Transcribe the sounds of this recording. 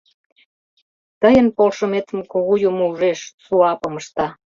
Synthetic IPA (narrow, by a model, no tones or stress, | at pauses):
t̪əjənpolʃə̆met̪ə̆mkoɣujumouʒeʃsuɑpəməʃt̪ɑ